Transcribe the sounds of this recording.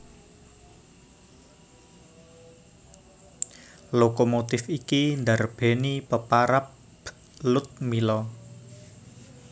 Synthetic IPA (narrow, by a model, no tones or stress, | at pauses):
lokomot̪ɪfikind̪arb̥e̤nipəpaɾap | lʊt̪̚milɔ